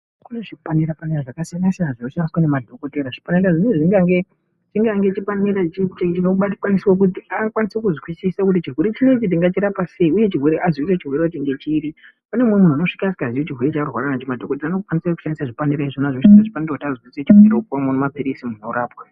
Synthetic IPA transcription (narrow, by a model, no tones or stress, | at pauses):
kuneʐikupaniɾapaniraʐakasianasianaʐinoʃandiswanemadʱo̞ko̞teɾaʐi̥paneɾaʐineʐiŋɡaŋɡe | t͡ʃiŋɡaŋɡet͡ʃipaniɾat͡ʃit͡ʃt͡ʃinoɓakwanisiwok̬utiakwanisekuzwisisakut̬it͡ʃirweɾet͡ʃine̞t͡ʃit̬iŋɡat͡ʃiɾapase̞iuje̞t͡ʃirwe̞ɾeʔazwiset͡ʃirweɾet͡ʃiŋɡet͡ʃiɾi | panemumun̤uno̞ʂi̥kasi̥kazijot͡ʃirwe̞ɾet͡ʃarwa̰ɾanat͡ʃomadʱokoteanekukwanisaku̥ʃandisaʐipaniɾaiʐinaʐokʃansaʐipaniɾakutiazwiset͡ʃirweɾekomonomapiɾisimunoɾaːpwa